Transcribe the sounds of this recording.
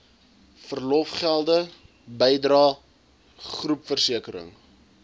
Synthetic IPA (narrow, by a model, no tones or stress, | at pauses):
fərlɔfχælˠdə | bəjdrɑː | χrupfərsiəkəɾə̰ŋ